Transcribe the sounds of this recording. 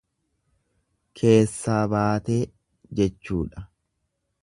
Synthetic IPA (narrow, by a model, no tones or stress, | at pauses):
kʰe̞ːsːaːbaːt̪e̞ː | d͡ʒɛt͡ʃːṵːᶑɐ